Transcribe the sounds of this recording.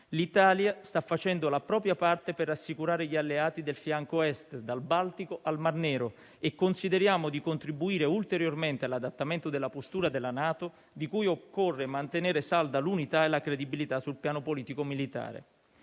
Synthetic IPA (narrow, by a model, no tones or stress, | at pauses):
lit̪aːljast̪afːat͡ʃɛnd̪olapɾɔːpɾjapart̪eperːasːikuɾaːɾeʎalːeaːt̪id̪elfjaŋkoɛst̪d̪albalt̪ikoʔalmarnɛːɾo | ekːonsid̪eɾjaːmod̪ikont̪ɾibuiːɾeult̪eɾjorment̪ealːad̪at̪ːament̪od̪elːapost̪uːɾad̪elːanaːt̪o | d̪ikujokːorːemant̪eneːɾesald̪alunit̪aelːakɾed̪ibilit̪asːulpjaːnopoliːt̪ikomilit̪a̰ːɾḛ